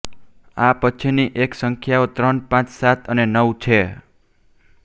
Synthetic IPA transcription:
apət͡ʃʰiniʔeksəŋkʰjaot̪ɾənpãt͡ʃsat̪ʰənenəwt͡ʃʰe

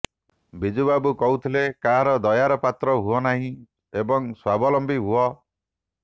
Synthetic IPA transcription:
bid͡ʒubabukɔɦut̪ʰilekaɦaɾɔd̪ɔjaɾɔpat̪ɾɔɦuɔnaɦĩ | ebɔŋswabɔlɔmbiɦuɔ

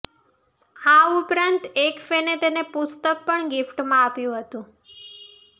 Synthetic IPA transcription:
aupɾant̪ekfenet̪enepʊst̪ək̚pəɳɡɪfʈmãapjũɦət̪ũ

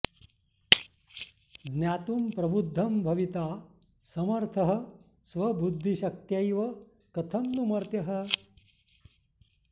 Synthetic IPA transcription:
ɡnjaːt̪umpɾɐbud̪ʱːɐmbʱɐʋit̪aː | sɐmɐɾt̪ʰɐɦɐ̆ | sʋɐbud̪ʱːiʃɐk̚t̪jɐjʋɐ | kɐt̪ʰɐmnumɐɾt̪jɐɦɐ

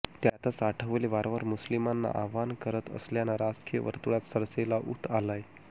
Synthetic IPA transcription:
t̪jat̪ət͡saʈʰəʋleʋaɾʋəɾmuslimanːa̰ʔaʋankəɾət̪ə̰sljanaɾad͡zkijə̰ʋə̰ɾt̪uɭat̪səɾselaʔṵt̪ʰalaj

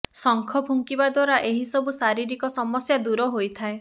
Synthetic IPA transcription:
sɔŋkʰɔbʱuŋkibad̪waɾaʔeɦisɔbusaɾiɾikɔsɔmɔsjad̪uɾɔɦojt̪ʰae

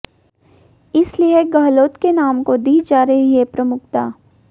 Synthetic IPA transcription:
ɪslieɡɐɦloːt̪kenaːmkod̪iːd͡ʒaːɾɐɦiɦepɾɐmʊkt̪aː

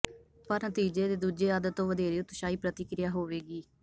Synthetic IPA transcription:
pəɾnət̪iːd͡ʒeːd̪eːd̪uːd͡ʒeːaːd̪ət̪ːõːʋəd̪eːɾeːʊt̪ːʃaːiːpɾət̪ɪkɾɪjaːɦoːʋeːɡiː

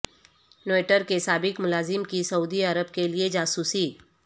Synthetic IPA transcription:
noːeʈəɾkesaːbɪkmʊlaːzɪmkisɐuːd̪iəɾəbkelied͡ʒaːsuːsiː

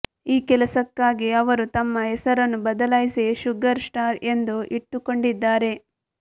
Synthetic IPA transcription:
iːkɛlɐsɐkːaːɡiɐʋɐɾut̪ɐmːɐɛsɐɾɐnːubɐd̪ɐlajseʃuɡɐɾsʈaːɾe̞nd̪uʔiʈːuko̞ɳɖid̪ːaːɾe̞

